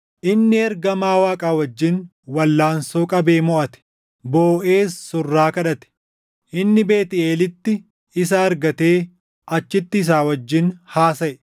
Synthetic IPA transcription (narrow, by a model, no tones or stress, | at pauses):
ʔɪnːɪɛɾɡɐmaːwaːkʼaːwɐd͡ʒːɪn | wɐlːaːnsoːkʼɐbe̞ːmɔʔɐt̪ɛ̥ | boːʔe̞ːsːʊrːaːkɐᶑɐt̪ɛ̥ | ʔɪnːɪbe̞ːt̪ɪeːlɪt̪ːɪ | ɪsɐɐɾɡɐt̪eː | ɐt͡ʃːɪt̪ːɪːs̬aːwɐd͡ʒːɪnhaːsɐʔɛ